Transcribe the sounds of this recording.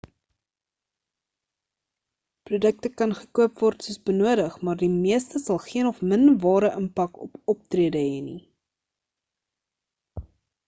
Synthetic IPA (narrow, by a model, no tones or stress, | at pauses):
prudək̚təkɐnχə̥kuəpvɔrtsuəsbənuəɾəχmɑːrdimiəstəsɐlˠχiənɔfmənvɑːɾəʔəmpɐkɔ̰pɔp̚triədəɦɛnḭ